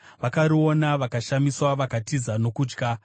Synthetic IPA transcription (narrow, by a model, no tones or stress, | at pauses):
ʋakaɾio̞naʋakaʃamiswaʋakatizano̞kuːd͡ʒɡa